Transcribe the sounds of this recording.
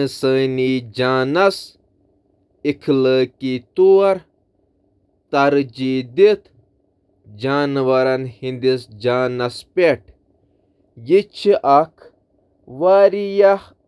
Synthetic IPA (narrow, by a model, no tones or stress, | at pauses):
səːniːd͡ʒaːnɐs | ikʰləːkit̪uɐɾ | t̪ɐɾd͡ʒiːd̪it̪ʰ | d͡ʒaːnʋɐɾɐnhind̪isd͡ʒaːnɐspeʈ̚ʰ | jit͡ʃʰiʔɐkʰ | ʋaːɾijah